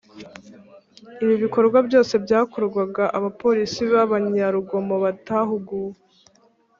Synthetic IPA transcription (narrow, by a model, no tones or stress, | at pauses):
iβiβiko̞ɾɡwabjo̞ːse̞bɟaːkuɾɡwaɡaʔaβapo̞ɾisiβaβaɲaɾuɡo̞mo̞βataɦuɡu